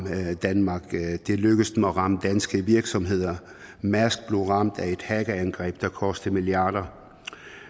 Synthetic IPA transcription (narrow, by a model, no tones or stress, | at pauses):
d̥ænmɑ̈ːɡ̥d̥e̝løɡ̥əsmeɒʁɑ̈məd̥ænsɡ̥əʋiɐɡ̥sɒ̽mɦe̝ð̞̰ˠɐ | mæsɡ̥̚b̥le̝ʊʁɑ̈m̰d̥æe̝d̥hæɡ̥əænɡ̥ʁɛ̰ːb̥d̥ɑ̈kʰɒ̽sd̥əmiljɑ̈ːd̥ɐ